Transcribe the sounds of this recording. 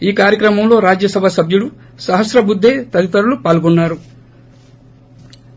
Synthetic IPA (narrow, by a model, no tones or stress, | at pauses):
iːkaːɾjɐkɾɐmɐmlo̞ːɾaːd͡ʒjɐsɐbʱasɐbʱjuɽu | sɐɦɐsɾɐbud̪ʱːeːt̪ɐɾit̪ɐɾulupaːlɡɔnːaːɾu